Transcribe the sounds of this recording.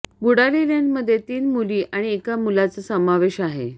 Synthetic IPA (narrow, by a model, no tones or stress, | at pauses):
buɽaliɾanməd̪ʱːjet̪iːnmuliːʔaɽ̃iekamulat͡səsəmaʋeɕaɦḛ